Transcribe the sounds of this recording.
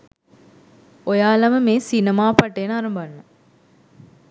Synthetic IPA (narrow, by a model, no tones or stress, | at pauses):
ojaːlɐməmeːsinemaːpɐʈenaɾɐmbanːu